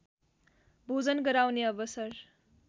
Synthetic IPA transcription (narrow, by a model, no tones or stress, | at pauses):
bʱod͡zʌnɡʌɾawneʌbʌsʌr